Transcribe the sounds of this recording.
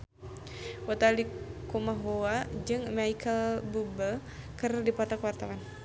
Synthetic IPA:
ʔɔt̪alikumaɦoad͡ʒɨŋmaikʰəlbubə | kəradipat̪akəwart̪awan

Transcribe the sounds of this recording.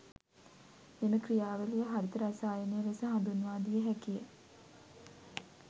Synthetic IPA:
meməkrijaːʋəlijəɦaɾit̪əɾasaːjəneʋesəɦand̪unuʋaːd̪ijəɦækijə̰

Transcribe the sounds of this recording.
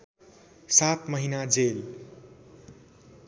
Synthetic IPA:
sat̪mʌɦinad͡zel

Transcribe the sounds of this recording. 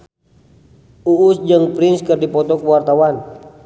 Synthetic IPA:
uːsd͡ʒɨŋpɾinskərdipɔt̪ɔkwart̪awan

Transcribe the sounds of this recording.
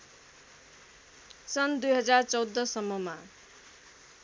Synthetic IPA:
sʌnd̪ujɦʌd͡zart͡sʌwd̪ːʌsʌmːʌma

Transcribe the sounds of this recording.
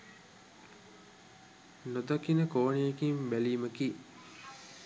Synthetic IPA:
nod̪akinəkoːnejekimbæliːməki

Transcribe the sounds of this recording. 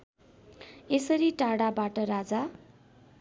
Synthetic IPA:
esʌɾiʈaɽabaʈʌɾad͡za

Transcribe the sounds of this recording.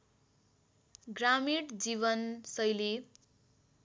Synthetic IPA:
ɡramiɽd͡ziβʌnsʌjli

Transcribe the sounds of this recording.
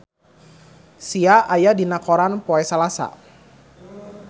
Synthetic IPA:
siaʔajadinakɔɾanpɔɛsalasa̰

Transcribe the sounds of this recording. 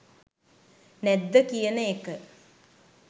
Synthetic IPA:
nɛd̪ːəkijənəekə

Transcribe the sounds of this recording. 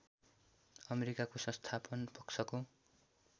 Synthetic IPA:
ʌmeɾikakosʌ̃st̪ʰapʌnpʌksʰʌko

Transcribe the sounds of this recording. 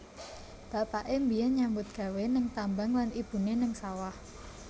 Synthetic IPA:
b̥apaʔembijanɲambʊt̪̚ɡ̥a̤wenəŋt̪ambaŋlanʔib̥ṳnenəŋsawah

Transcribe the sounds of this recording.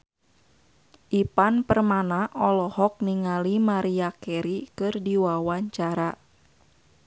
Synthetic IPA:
ʔipanpərmanaʔɔlɔhɔk̚niŋalimaɾiakɛɾikɨrdiwawaɲt͡ʃaɾa

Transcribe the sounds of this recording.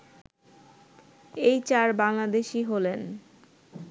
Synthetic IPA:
ejt͡ɕaɾbaŋlad̪eʃiɦolen

